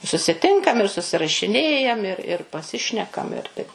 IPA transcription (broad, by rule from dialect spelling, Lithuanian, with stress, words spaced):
sʊsʲɪˈtʲɪŋkɐm ɪr sʊsʲɪrɐʃʲɪˈnʲeːjɛm ɪr ɪr pɐˈsʲɪʃʲnʲɛkɐm ɪr tɐɪp